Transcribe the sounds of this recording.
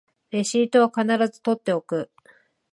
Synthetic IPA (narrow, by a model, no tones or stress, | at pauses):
ɾe̞ɕiːt̪o̞βakanaɾazɨ̥t̪o̞t̪ːe̞o̞kɯ̟